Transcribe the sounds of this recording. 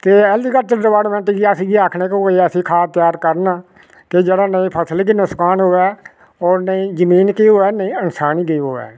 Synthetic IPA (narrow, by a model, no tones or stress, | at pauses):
t̪eːɛːliːɡət͡ʃəɾəʋaːɽmɛ̃ːɳʈɡiasĩːɡiːaːkʰneːkõːɡəəsĩːkʰaːt̪ɪjaːɾkəɾnaː | ked͡ʒeːɽaːnəĩːpʰəsəlkinʊskaːnɦoːɛː | oːɾnəĩːzəmiːnkiːɦoːɛːnəĩːənsaːniːɡeiɦoːɛ̰ː